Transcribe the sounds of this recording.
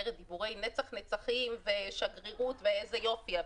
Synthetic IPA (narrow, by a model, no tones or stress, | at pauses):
eʁed̪ibuʁe̞jnet͡saχnet͡saχimveʃaɡʁiʁut̪veezejo̞fia